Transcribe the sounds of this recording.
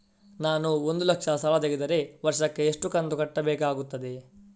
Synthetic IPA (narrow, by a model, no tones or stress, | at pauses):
naːnuo̞nd̪ulɐkʂɐsɐlɐt̪eɡed̪ɐɾe̞ʋɐɾʂɐkːe̞ːʂʈukɐnd̪ukɐʈːɐbɛːkaːɡut̪ːɐd̪e̞